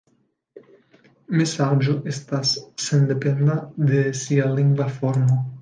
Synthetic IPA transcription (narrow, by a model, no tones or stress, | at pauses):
mesaʒoʔest̪asːend̪epend̪aðesialiŋɡwafoɾma